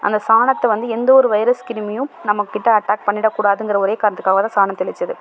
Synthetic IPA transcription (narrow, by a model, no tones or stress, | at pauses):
ʔɐ̰nd̪ɐsaːɳɐt̪ːɛʋɐnd̪ɯɛnd̪ɐɔɾɯʋɐɪɾɐskɪɾɪmɪjʊ̃nɐmːɐkːɪʈːɐɐʈːaːk̚pɐɳːɪɽɐkːuːɽaːðɯŋɡɪɾɐɔɾeːkaːɾnɐt̪ɯ̥kːaːɣɐt̪ãːsaːnɐmt̪ɛɭɪt͡ʃːɐðɯ